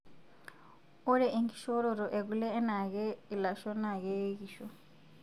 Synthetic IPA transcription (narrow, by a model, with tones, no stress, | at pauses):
o˦ɾɛ˨ʔe˨ŋɡi˨ʃo˦ɾo˨ɾo˨ʔe˨ɡu˨lɛː˦na˨ɣe˦i˨la˨ʃɔ˦na˨ɣe˦ɣi˨ʃo˨